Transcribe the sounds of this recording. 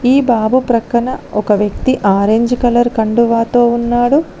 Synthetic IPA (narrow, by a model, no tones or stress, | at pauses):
iːbaːbupɾɐkːɐɳɐɔkɐʋjɐkt̪iʔaːɾeɲd͡ʒkɐlɐɾkɐɳɖuʋaːt̪o̞ːunːaːɽu